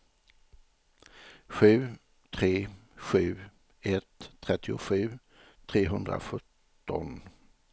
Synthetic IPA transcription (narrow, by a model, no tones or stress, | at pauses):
ɧʉ̟ː | t̪ʰɾeːɧʉ̟ː | ɛt̪ʰːɾɛt̪ʰːɪʊɧʉ̟ː | t̪ʰɾeːɦɵnd̪ɾa̰ɧɵt̪ː | ɔn